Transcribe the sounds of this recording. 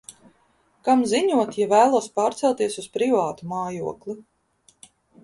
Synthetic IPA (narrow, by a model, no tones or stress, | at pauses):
kamziɲuɔt̪javæːlˠuɔspaːɾt̪sɛlˠt̪iɛsuspɾivaːt̪umaːjuɔkli